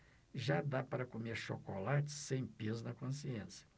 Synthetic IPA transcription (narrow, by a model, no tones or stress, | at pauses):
ʒad̪apaɾɐkomeɾʃokolat͡ʃɪ̥sẽj̃pezʊnɐkõsiẽsjɐ̥